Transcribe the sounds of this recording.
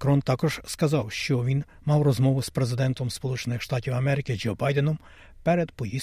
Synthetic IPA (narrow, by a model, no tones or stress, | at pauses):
kɾɔnt̪ɑkɔʒ̥skɐzɑwʃt͡ʃɔʋʲin | mɑwrɔzmɔʋʊspɾezɪd̪ɛnt̪ɔmspɔlˠut͡ʃenɪxʃt̪ɑtʲiwɐmɛɾɪkɪd͡ʒɔbɑjd̪ɛnɔm | pɛɾɛd̪pɔji